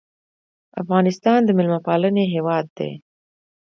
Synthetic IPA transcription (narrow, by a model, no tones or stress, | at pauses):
afɣɑnɪst̪ɑnd̪əmɪlmapɑləneɦewɑd̪ːḛ